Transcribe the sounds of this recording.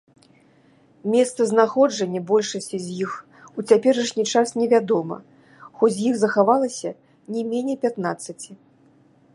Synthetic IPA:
mʲɛst̪sɐznaxɔd͡ʐɐnʲːɐbɔlʲʂɐsʲt͡sʲizʲjix | ut͡sʲapʲɛɾɐʂnʲit͡ʂasnʲɛvʲad̪ɔmɐ̰ | xɔd͡zʲzʲjixzɐxavalˠɐsʲɐ | nʲɛmʲenʲɛpʲat̪nat̪sːɐt͡sʲi

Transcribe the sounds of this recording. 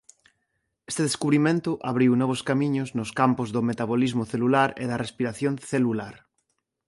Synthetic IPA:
est̪eðeskuβɾimẽnt̪ʊʔaβɾiwnɔβ̞oskamĩɲoznoskampozðomet̪aβ̞olizmoθelulaɾḛðarespiɾaθjõnθelulaɾ

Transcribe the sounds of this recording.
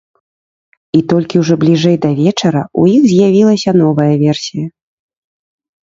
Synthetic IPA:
it̪ɔlʲkʲiwʐɔblʲiʐɛjd̪ɐvʲɛt͡ʂɐɾɐujiɣzʲjavʲilˠɐsʲɐnɔvɐjɐvʲɛrsʲijɐ

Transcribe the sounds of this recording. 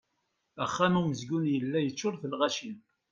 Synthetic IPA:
æχːæmuməzɡunjəlːæjət͡ʃːʊɾθəlʁæʃil

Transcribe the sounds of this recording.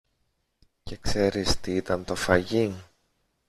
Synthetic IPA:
ce̞kse̞ɾist̪iit̪ɐnt̪o̞fɐʝiŋ

